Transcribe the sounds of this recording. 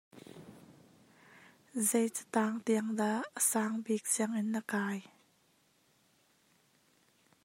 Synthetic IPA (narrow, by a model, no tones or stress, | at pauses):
zejt͡sə̥t̪aːŋt̪iəŋd̪aəsaːŋbik̚t͡sʰiəŋɪnːəkaːj